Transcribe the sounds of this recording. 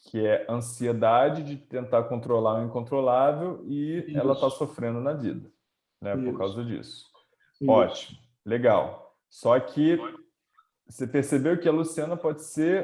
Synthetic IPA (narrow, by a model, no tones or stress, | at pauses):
kʰɪɛʔɐ̃sied̪ad͡ʒɪd͡ʒɪt̪ẽnt̪aɾkõnt̪ɾolaɾĩkõnt̪ɾolavewɪɛlɐt̪asofɾẽnd̪ʊnɐvḭd̪ɐ | nɛpoɾkawzɐd͡ʒḭsʊ̥ | ɔt͡ʃimʊ | leɡaw | sɔkʲʰɪ | sepeɾsebewkɪɐlusiɐ̃nɐpɔd͡ʒɪse